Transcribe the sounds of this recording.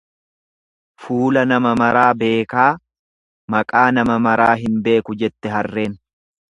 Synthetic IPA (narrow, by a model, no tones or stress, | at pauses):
fuːlɐnɐmɐmɐɾaːbe̞ːkaː | mɐkʼaːnɐmɐmɐɾaːɦɪnbe̞ːkʊd͡ʒɛt̪ːɛɦɐrːe̞ːn